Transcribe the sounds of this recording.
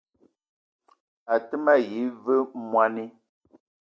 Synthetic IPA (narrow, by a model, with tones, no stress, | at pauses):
a˨tə˦ma˦˨ji˨˦və˦mwa˦ni˦